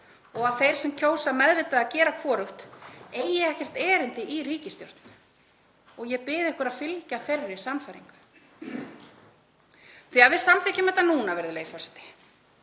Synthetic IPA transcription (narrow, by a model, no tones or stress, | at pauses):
ɔɣaðθejɾ̥sɛmcʰoːwsamɛðvɪt̪aacɛːɾakʰvɔːɾʏxt̪eːjɛɛhcɛr̥t̪ɛːɾɪnt̪ɪʔiɾiːcɪst̪jo̰ɾ̥t̪nʏ | ɔɣjɛpɪːðɪɛhkʏɾaðfɪlcaθɛrːɪ̥samfajɾiŋkʏ̥ | θiaðvɪðsamθɪcʏmɛht̪ːanuːnavɛɾðɪleːjfɔsɪ̥t̪ɪ̥